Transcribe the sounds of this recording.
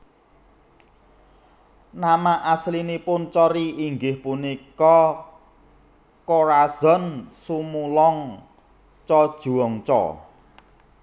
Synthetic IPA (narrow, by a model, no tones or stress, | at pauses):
namaʔaslinipʊnt͡ʃɔɾiʔiŋɡɪhpunikɔ | koɾaz̥ɔ̤nsumulɔŋ | t͡ʃɔd̥ʒ̥ṳwɔŋt͡ʃɔ̰